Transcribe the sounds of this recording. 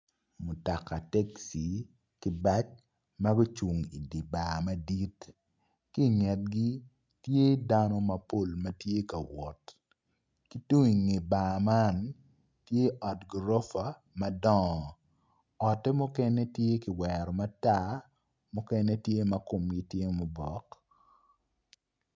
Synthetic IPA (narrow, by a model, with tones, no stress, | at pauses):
mʊ˨ta˨ka˨tɛ˦ksi˨ | kɪ˦ba˦t͡ʃ | mɐ˦ɡʊ˦t͡ʃu˨ŋḭ˨di˨baː˨mɐ˦di˦t | ki˦ŋɛ˨t̚ɡi˦ | tje˦da˦nɔ˦mɐ˨po˦˨lmɐ˦tje˦ka˨wɔ˨t | ki˦tu˦ŋi˨ŋi˨ba˨ma˦n | tje˦ʔɔ˨tɡɾo˦fa˨ | mɐ˦dɔ˦ŋ˨ | ɔ˨tɛ˦mʊ˦kɛ˦nɛ˦tje˦kɪ˨wɛ˨ɾɔ˨ma˦ta˦ | mʊ˦kɛ˦nɛ˦tje˦mɐ˦ko˨mɡi˦tje˦mʊ˨bɔ˨k